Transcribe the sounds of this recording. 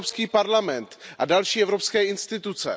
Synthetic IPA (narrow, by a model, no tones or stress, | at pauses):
pskiːpaɾlamɛnt̪ʔa̰dalʃiːɛvɾo̞pskɛːɪnst̪ɪt̪ut͡sɛ̰